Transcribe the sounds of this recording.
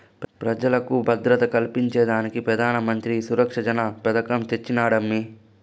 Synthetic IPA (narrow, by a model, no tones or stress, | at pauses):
pɾɐd͡ʒɐlɐkubʱɐd̪ɾɐt̪ɐkɐlpiɲt͡ʃɛːd̪aːnikipɾɐd̪ʱaːnɐmɐnt̪ɾisuɾɐkʂɐd͡ʒɐnapɐd̪ɐkɐmt͡ʃet͡ʃːinaːɽɐmːi